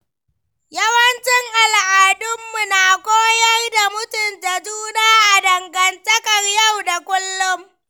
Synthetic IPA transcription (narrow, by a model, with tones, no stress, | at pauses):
jɐ˦wɐ˦nt͡ʃɪ˦ŋʔa˨lʔaː˨dʊ˦mːʊ˨naː˨kʷoː˦jɐ˦rda˨mʊ˦tʊ˨nta˨d͡ʒuː˦naː˦ʔa˨dɐ˨ŋɡɐ˨ntɐ˦kɐ˨rja˦˨wda˨kʷʊ˦lːʊ˦m